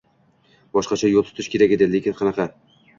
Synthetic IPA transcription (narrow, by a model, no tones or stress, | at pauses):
bɒʃqɑt͡ʃʰajolˠt̪ʰʊ̥t̪ʰɪʃkʲʰe̞ɾaɡʲɪd̪ɪlekʲɪnqʰɑnɑqɑ